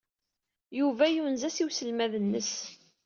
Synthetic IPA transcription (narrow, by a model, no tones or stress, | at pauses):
juvæjunzæsiwsəlmæðənːəs